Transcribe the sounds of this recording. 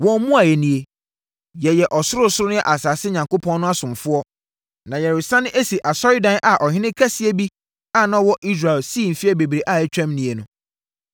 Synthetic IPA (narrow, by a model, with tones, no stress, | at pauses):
wɔ̃˨m˦mũ˦a˨jɛ˨nĩ˨e˨ | jɛ˨jɛ˨ʔɔ˨sʊ˦ɾʊ˦sʊ˦ɾʊ˦nʊ̃˦ɛ˦ʔa˨saː˨sɪ˦ɲã˨ŋko˦pʰɔ̃˦nːʊ̃˦a˦sʊ̃˨mfʊ˦ɔ˦ | nã˨jɛ˨ɾɪ˨sã˦nʊ̃˦ʔe˦si˨ʔa˨sɔ˦ɾɪ˦dã˦nʔa˨ʔɔ˨ɦɪ̃˦nɪ̃˦kʰa˦si˦e˦bi˦ | a˦˨nã˨˦wɔ˦ʔi˦s̬ɾa˨lsiː˦˨m̩˨fi˦ɛ˦be˨bɾe˨ʔa˦˨ɛ˦t͡ɕᶣɛ̃˦mnĩ˨e˨nʊ̃˨